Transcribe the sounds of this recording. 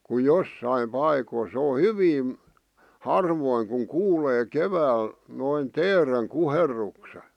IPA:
ku josːɑim pɑikoĭ sĕ o hyʋin̞ hɑrʋoiŋ kuŋ kuːleː keʋæːl noin teːreŋ kuherːukse

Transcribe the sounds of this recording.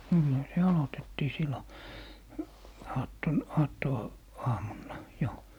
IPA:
niːhæ se ɑlotetːiː silːo ɑːtːon ɑːtːo ɑːmunːɑ jo

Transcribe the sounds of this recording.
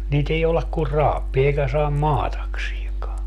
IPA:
niːt ei joulɑk kur rɑːpːiː eikæ sɑːm mɑːtɑksieŋkɑː

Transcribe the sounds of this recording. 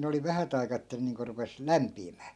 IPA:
ne oli ʋæhæt ɑi̯kɑː etːæ ne niːŋko rupes læmpiːmæː

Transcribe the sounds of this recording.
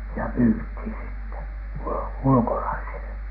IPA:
jɑ myːthiˑn sitːe ul ulkolɑisile

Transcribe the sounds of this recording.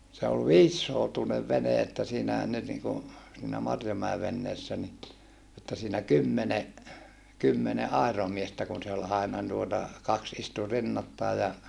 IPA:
se ol ʋiːsːoutuneʋ ʋene etːæ siːnæhæn nyt niŋku siːnæ mɑrjomæe ʋenːeːsːæ ni etːæ siːnæ kymːene kymːene ʔɑˑiromiestæ kun se ol ɑinɑ tuotɑ kɑks istu rinːɑtːɑi jɑ

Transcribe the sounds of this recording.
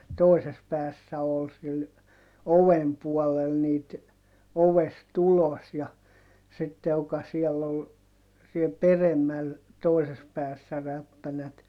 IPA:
toises pæːsːæ ol sil oʋem puɔlel niːt oʋest ulos jɑ sitːe j̆okɑ siɛlː ol siel peremːæl toises pæːsːæ ræpːænæt

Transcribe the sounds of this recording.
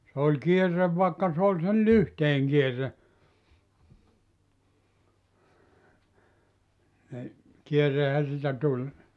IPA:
sĕ olʲ kierːeʋ ʋɑˑekːɑ s oːlʲ sel lyhteːŋ kierːe ni kierːehæ siːtæ tulʲ

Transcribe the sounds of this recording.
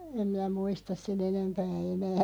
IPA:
em mĭnæ muistɑs sen enempæː enæː

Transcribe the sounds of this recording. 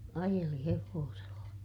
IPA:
ɑjeli heʋoːselːɑ

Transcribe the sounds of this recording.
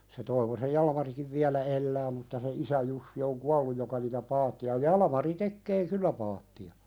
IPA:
se toiʋosej jɑlɑ̆mɑrikiʋ ʋiælæ elːæː mutːɑ se isæ jusːi oŋ kuɑlːuj jokɑ niːtæ pɑːtːiɑ jɑlɑ̆mɑri tekːeː kylːæ pɑːtːiɑ

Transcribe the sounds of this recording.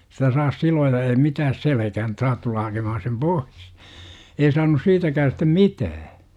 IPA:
sitæ sɑːs siloːjɑ ei mitæːs selekæhæn ĕt sɑːt tulːɑ hɑkemɑhɑn̞ sem pois ei sɑːnus siːtækæː stem mitæː

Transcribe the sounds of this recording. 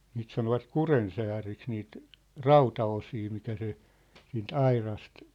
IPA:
niːt sɑnoʋɑt kurensæːriks niːt rɑutɑosiː mitæ se siːnt ɑirɑst

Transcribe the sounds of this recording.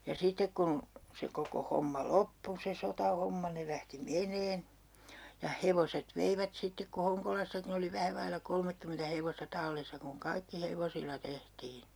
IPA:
jɑ sitek kun se koko homːɑ lopːu se sotɑhomːɑ ne læhti menˑeːn jɑ heʋoset ʋeiʋæt sitːek ku hoŋkolɑsːɑkin oli ʋæhæ ʋɑilːɑ kolmekːymentæ heʋostɑ tɑlːisːɑ kuŋ kɑikːi heʋosilːɑ tehtiː

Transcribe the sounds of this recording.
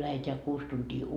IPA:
læheteæ kuːs tuntiː

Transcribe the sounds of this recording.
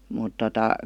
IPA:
mut totɑ

